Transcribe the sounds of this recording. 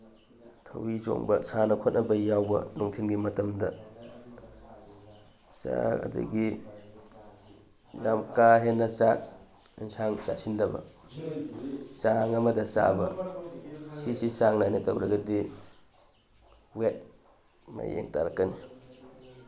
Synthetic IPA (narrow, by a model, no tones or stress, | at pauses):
tʰɐwizo̰ŋbɐsanɐkʰot̚nʔɐbɐjawbɐ̰nuŋtʰinɡimɐtɐmdɐ̰ | sa̰kɐ̰dṵɡi | jamkaɦenːɐt͡ʃak̚ | insaŋt͡ʃa̰sindɐbɐ̰ | t͡ʃaŋɐmɐdɐt͡ʃa̰bɐ | sisisaŋnajnɐtɐwɾɐɡɐdi | wet̚ | ma̰jḛŋta̰ɾɐkːɐni